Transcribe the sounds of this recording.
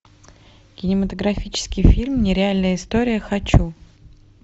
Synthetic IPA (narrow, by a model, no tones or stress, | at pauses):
kʲɪnʲɪmət̪əɡɾɐfʲit͡ɕɪ̥skʲɪjfʲilʲmnʲɪɾʲɪalʲnəjəɪst̪oɾʲɪjəxɐt͡ɕu